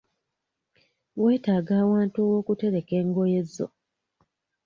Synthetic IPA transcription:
we̞ːtaːɡaːwaːntuowo̞ːkute̞ɾe̞ke̞ːŋɡo̞je̞zːo̰

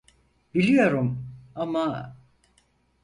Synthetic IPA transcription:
bilʲijo̞ɾumama

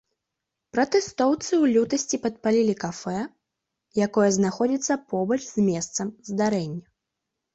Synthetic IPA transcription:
pɾɐt̪ɛst̪ɔwt̪sɨwlʲut̪ɐsʲt͡sʲipɐt̪̚palʲilʲikafɛ | jakɔjɐznaxɔd͡zʲit̪sːɐpɔbɐt͡ʂzʲmʲɛst̪sɐmzd̪aɾɛnʲːɐ

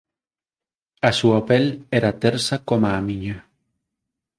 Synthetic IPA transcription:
asuapeleɾat̪eɾsakomaːmĩɲa

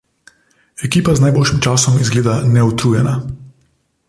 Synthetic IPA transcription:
ɛkiːpaznaːjboːlʃimt͡ʃaːsɔmizɡleːd̪anɛut̪ɾuːjɛna

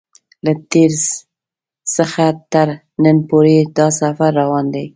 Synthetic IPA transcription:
lat̪eɾz | səxat̪əɾ | nənpoɾed̪ɑsafaɾːawɑnd̪aj

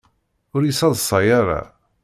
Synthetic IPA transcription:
ʊɾjisɑðˤsˤɑjaɾa̰

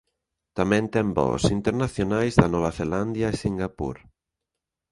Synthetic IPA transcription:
t̪amɛ̃nt̪ɛmbɔ̰sint̪eɾnaθjonajzðanɔβaθeland̪jaesiŋɡapṵɾ

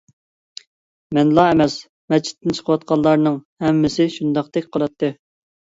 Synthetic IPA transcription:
mɛnlˠɑɛmɛs | mɛt͡ʃʰɪ̥t̪ʰːɪnt͡ʃʰə̥qʰəwɑt̪̚qʰɑlˠːɑɾnɨŋhɛmːɪsɪʃund̪ɑq̚t̪ɛkʲqʰəlˠɑt̪ːɨ

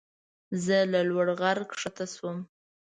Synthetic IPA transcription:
zəlalwaɽɣaɾkʂat̪aswəm

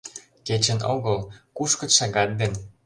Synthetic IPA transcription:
ket͡ɕə̆noɣəlkuʃkə̆ʃɑɣɑt̪̚d̪en

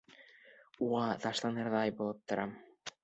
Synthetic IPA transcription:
uʁɑt̪ɑʃlˠɑnɑɾðɑjbolˠɤp̚t̪ʰŏɾʔɑm

